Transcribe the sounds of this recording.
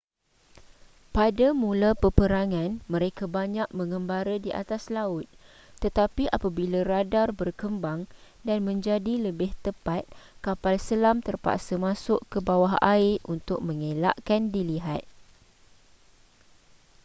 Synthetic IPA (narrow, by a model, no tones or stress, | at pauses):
padamũlapəpəɾaŋãnmə̃ɾekabaɲãk̚mə̃ŋəmbaɾadiʔa̰t̪aslaʊt̪̚ː | ət̪apiʔapabilaɾadarbərkəmbaŋ | danmə̃ɲd͡ʒadiləbɪht̪əpat̪̚kapalsəlamt̪ərpa̰ʔsəmãsʊʔkəbawaɦa̰ɪʔunt̪ʊk̚mə̃ŋelaʔkandiliɦat̪̚